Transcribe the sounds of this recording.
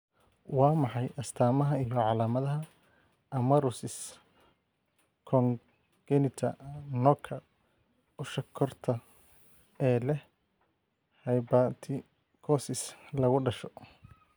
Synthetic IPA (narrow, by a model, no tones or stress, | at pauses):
wɑːmɑħɑjʔɐst̪ʰaːmɐɦɐijɔʕɑlaːmɐðɐɦɐ | ʔɐmɐɾʊsɪs | kʰɔŋ | ɡ̥ɛnɪt̪ʰɐ̰nɔkʰɐ | ʊʃɐkʰːɔrt̪ʰɐ | ɛːlɛh | hɐjbɐt̪ʰɪ | kʰɔsɪslɐɣʊɖɐʃɔ̥